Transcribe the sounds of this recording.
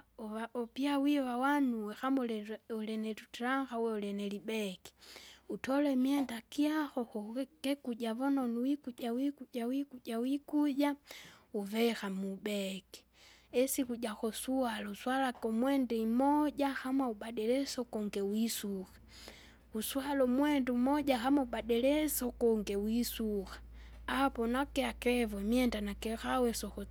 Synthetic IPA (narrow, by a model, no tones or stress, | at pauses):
aɔpiawiwawanuwɛxamɔlɛɔlɛnɛtutɾaŋxauwɛɔlɛnɛlibɛkɛ̥utɔlɛmiɛndakiaxɔxɔkɛkuɟaβɔnɔnuwikuʄawikuɟawikuɟawikuɟauvɛxamubɛkɛ̥ | ɛsikuɟaxɔsualɔuswalakɔmwɛndɛimɔɟahamauɓaɗɛlɛsɔkɔŋɡɛwisuxḁ | uswalɔmwɛndɛumɔɟahamauɓaɗɛlɛsɔkɔŋɡɛwisuxḁapɔnakɛakɛvɔmiɛndanakɛxawɛsɔxɔ